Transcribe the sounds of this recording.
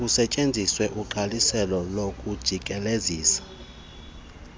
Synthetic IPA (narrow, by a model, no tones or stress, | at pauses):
usɛt͡ʃʼend͡zʱiswɛʔuǃalisɛlɔlokʼud̥ʒ̥ʱikʼɛleziːsḁ